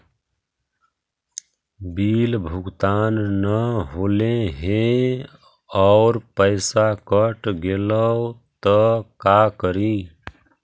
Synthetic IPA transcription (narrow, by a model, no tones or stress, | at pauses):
bilbʱuɡt̪anːəɦolẽɦẽ | ɔʊɾpəɪsakəʈɡelət̪əkakəɾi